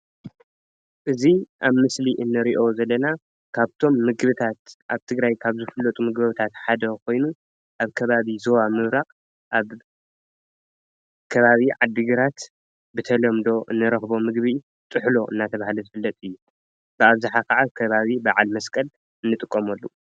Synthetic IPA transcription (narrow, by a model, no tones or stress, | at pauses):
ʔɨziʔaβmɨsliʔɨnːɨɾiʔo̞zɐlːɐna | kʰaβt̪ʰo̞mːɨɡβɨt̪ʰat̪ʔaβt̪ʰɨɡɾajkʰaβzɨfɨlːɐt̪ʼumɨɡbɐβt̪ʰat̪ħad̪ɐkʰo̞jnu | ʔaβkʰɐβaβizowamɨβɾakʼ | ʔaβ | kʰɐβaβiʕad̪ɨɡɨɾat̪ | bɨt̪ʰɐlɐmd̪o̞ʔɨnːɨɾɐxbo̞mɨɡβi | t̪ʼɨħlo̞ʔɨ̰nːat̪ʰɐβahalozɨfɨlːɐt̪ʼɨjːu | b̥ɨaβzɨħakaʕakʰɐβaβibaʕalmɐskʼɐl | ɨnːɨt̪ʼɨkʼːomɐlːu